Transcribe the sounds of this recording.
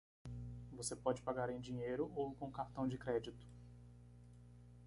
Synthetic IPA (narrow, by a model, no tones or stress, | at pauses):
vosepɔd͡ʒɪpaɡaɾẽj̃d͡ʒĩɲejɾʊʔowkõkaɾt̪ɐ̃w̃d͡ʒɪkɾɛd͡ʒit̪ʊ̥